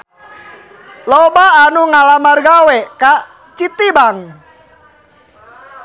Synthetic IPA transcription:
lɔbaːnuŋalamarɡawɛka | t͡ʃit̪ibaŋ

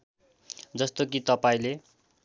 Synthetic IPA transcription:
d͡zʌst̪ok̬it̪ʌpaĩle

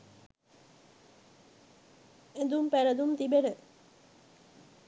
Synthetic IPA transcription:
ed̪umpæɾəd̪umt̪ibenə

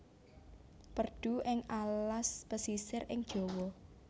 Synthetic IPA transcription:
pərd̪̥ṳʔɪŋallasb̥əsisɪrʔɪŋd̥ʒ̥o̤wɔ

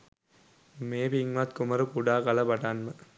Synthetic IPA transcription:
meːbiŋʋaːt̪kʊmɐɾɯkuɽaːkɐlɐpɐʈːaːnmɐ

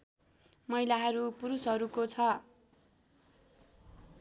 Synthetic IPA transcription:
mʌjlaɦʌɾupuɾusɦʌɾukot͡sʰʌ

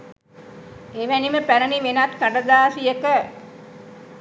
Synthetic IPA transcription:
eːʋæniməpæɾəniʋenat̪kaɖəd̪aːsijəkə

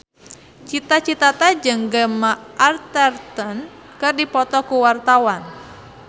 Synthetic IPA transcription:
t͡ʃit̪at͡ʃit̪at̪ad͡ʒəŋɡəmaʔart̪ɛrt̪ən | kɨrdipɔt̪ɔkuwart̪awan

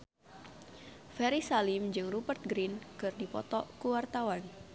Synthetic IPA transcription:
fɛɾisalimd͡ʒɨŋrubərt̪̚ɡɾinkɨrdipɔt̪ɔkuwart̪awan

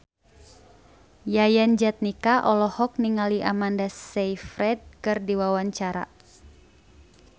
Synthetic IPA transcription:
jajand͡ʒat̪̚nikaʔɔlɔhɔk̚niŋaliʔamandasɛjfɾɛd̚kɨrdiwawaɲt͡ʃaɾa̰

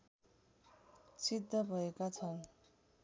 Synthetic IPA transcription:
sid̪ʱːʌbʱʌekat͡sʰʌn

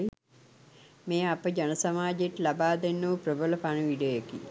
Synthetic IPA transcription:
meːapəd͡ʒanəsamaːd͡ʒeʈlabaːd̪enːəʋəprəbələpanəʋiɖəjekḭ

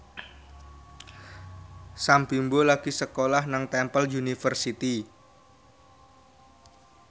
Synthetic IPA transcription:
sambimbolaɡ̥isəkolahnaŋt̪ɛmpəljunifərsit̪i

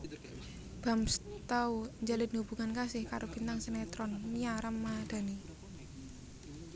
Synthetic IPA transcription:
b̥a̤mst̪auɲd͡ʒalɪd̪̚ŋub̥ṳŋankasɪhkaɾʔob̥int̪aŋsənɛt̪ɾɔnmiaɾamːad̪̥a̤ni

